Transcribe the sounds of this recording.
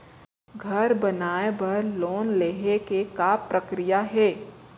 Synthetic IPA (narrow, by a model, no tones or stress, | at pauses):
ɡʱɐɾbɐnaːebɐɾloːnleːɦekekaːpɾəkɾijaɦɛː